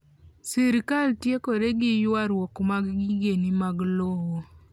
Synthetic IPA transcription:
siɾkaltjekoɾeɡɪjwaɾwɔkmaɡɡɪɡenimaɡlowo

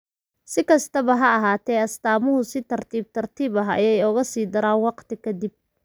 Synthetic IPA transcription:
sɪkʰɐst̪ʰɐβɐɦɐːɦaːt̪ʰɛːɐst̪aːmʊɦʊsɪt̪ʰɐrt̪ʰiːb̚t̪ʰɐrt̪ʰiːbɐɦɐjɛjɔɣɐsiːd̪ɐɾaːnwɑqt̪ʰɪkʰɐd̪ɪb̚

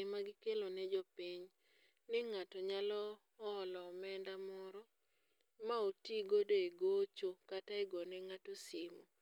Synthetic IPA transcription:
ɪmaɡɪkelonɛd͡ʒɔpiɲ | nɪŋatɔɲalɔː | lɔmɛndamɔɾɔ | maotiɡodoeɡot͡ʃokataɛɡɔnɛŋatosɪmo

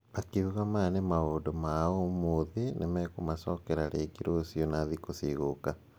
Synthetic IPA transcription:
makiuɣamanemaoːdɔmaomoðinemɛkomasɔkɛɾaɾeːɡiɾosionaðikosiɣoka

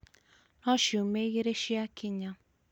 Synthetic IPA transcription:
nɔʃumeɣeɾeʃiakʰiɲã

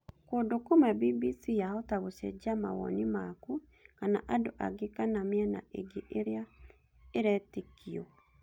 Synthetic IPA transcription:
koːndokomɛbibisijahotaɣoʃɛ̰d͡ʑamawɔ̰nimaku | kana̰ʔadoʔa̰ɡekanameɛna̰ʔḛɡeʔeɾea | eɾɛtekiɔ

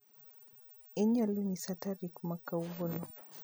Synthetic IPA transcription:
ɛɲalunisataɾikmakauɡɔnɔ

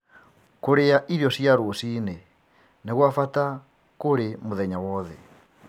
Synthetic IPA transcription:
koɾeaʔiɾjɔsjaɾosine | neɣwafata | koɾemoðɛɲawɔðɛ̰

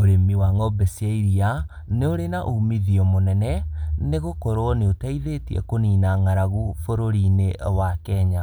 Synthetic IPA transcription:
oɾemiwaŋɔbesiaiɾia | neoɾenaʔumiðiɔmonɛnɛneɣokoɾɔneotaiðetiɛ̰koniːnaŋaɾaɣufoɾoɾinewakɛːɲa

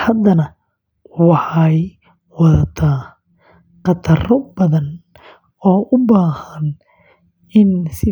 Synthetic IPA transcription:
hɐd̪ɐnɐ | wɑħɑj | wɑðɐt̪ʰaː | qɑt̪ʰɐrɔbɐðɐn | ɔːʔʊbaːhɐn | ɪnsɪ

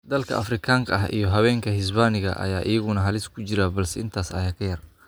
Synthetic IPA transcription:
d̪ɐlkʰɐ̰ʔɐfrɪkʰaːŋkʰɐɐɦʔḭjɞɦɐβɛːŋkʰɐɦɪsbaːnɪɣɐ̰ʔɐ̰jaːʔɪjɐɣʊnɐɦɐlɪskʰʊt͡ʃɪɾabɐlsɛɪnt̪ʰaːsɐ̰jaːkʰɐjɐr

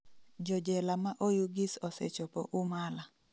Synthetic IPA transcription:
d͡ʒɔd͡ʒɛlamaʔojuɡɪsɔsɛ̰t͡ʃɔpɔʔʊmala

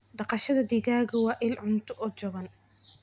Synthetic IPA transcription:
ɖɑqɑʃɐðɐd̪iːɣaːɣɐwɑːʔɪlʕʊnt̪ʰʊʔɔːt͡ʃɔɣɐn

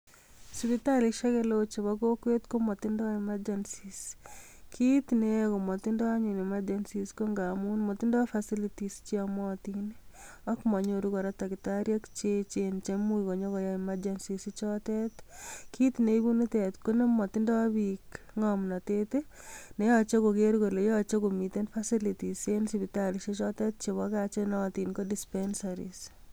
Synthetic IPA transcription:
sβitaliʃɛɣelot͡ʃeβɔkokwet̪komɔtɪndɔemad͡ʒansis | kʰit̪nekomɔt̪ɪndɔaɲinemad͡ʒansiskoŋɡamunmɔt̪ɪndɔfasilitist͡ʃiamɔt̪in | ɔkmɔɲoɾuɣɔɾatakɪtaɾjakt͡ʃet͡ʃent͡ʃemuikoɲokɔjaɪmad͡ʒɛnsisit͡ʃɔtɛt̪kʰit̪nebunit̪ɛt̪konemɔtɪndɔbik | ŋɔmnɔtete | nejɔt͡ʃekokeɾɡolejɔt͡ʃekomit̪enfasilitisensibitaliʃet͡ʃɔtɛt̚t͡ʃeβɔkat͡ʃenɔt̪inkodispɛnsaɾḭs

